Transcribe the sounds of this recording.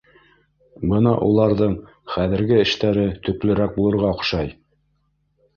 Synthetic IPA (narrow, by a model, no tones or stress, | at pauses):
bɤnɑʔulˠɑɾðɤɴ | χæðɘ̆ɾɡɘɘ̆ʃt̪æɾɘt̪ɵ̆klɘ̆ɾæk̚bulˠɤ̆ɾʁɑŏχʃɑj